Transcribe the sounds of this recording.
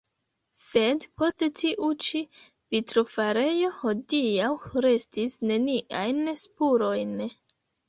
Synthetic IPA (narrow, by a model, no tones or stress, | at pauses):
se̞dpʰo̞stetiʔut͡ʃi | vitɾofaɾe̞jo̞hodiawɾe̞stisne̞niʔajnspuɾo̞jn